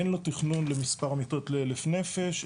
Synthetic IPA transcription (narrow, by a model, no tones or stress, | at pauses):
enlo̞t̪iχnunlemispaʁmit̪o̞t̪leelefne̞fe̞ʃ